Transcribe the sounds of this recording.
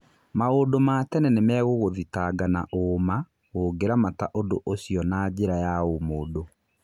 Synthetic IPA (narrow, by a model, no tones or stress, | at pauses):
maɣoːdomatɛnɛnemɛɣoɣoðitaɡanaʔoːma | ɣoɡeɾamataʔodoʔoɕiɔnad͡ʑeɾajaomoːdo